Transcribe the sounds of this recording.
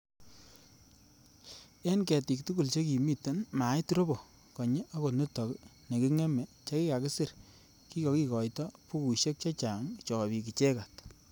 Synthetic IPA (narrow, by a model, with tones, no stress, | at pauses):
ɛ˦nkɛ˨ti˨k̚tu˦ku˨lt͡ʃe˦ki˨mi˦˨tːe˦nma˨˦jtɾo˦bɔ˨ | kɔ˨ɲe˦ʔa˦ko˨tne˦tɔ˨kne˨ki˦ŋɛ˦me˨t͡ʃa˦ki˦ka˨kɪ˦sɪ˦˨r | ki˦kɔ˨ki˨kɔ˨jtɔ˦pu˦ku˨ʃe˦k̚t͡ʃa˦t͡ʃa˨ŋt͡ʃɔ˨bi˨ki˨t͡ʃe˦ka˨t